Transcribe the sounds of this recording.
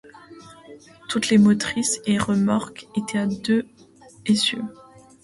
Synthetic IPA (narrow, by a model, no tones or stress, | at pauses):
t̪ut̪lemɔt̪χiseʁəmaʁket̪ɛad̪ø | esjø